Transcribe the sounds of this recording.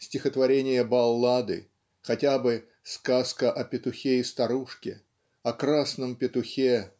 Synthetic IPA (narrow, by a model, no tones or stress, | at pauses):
sʲtʲɪxət̪vɐɾʲenʲɪjəbɐlˠːad̪ɨ̰ | xɐtʲabɨ | skaskəʔɐpʲɪt̪ʊxʲeɪst̪ɐɾuʂkʲɪ | ɐkɾasnəmpʲɪt̪ʊxʲe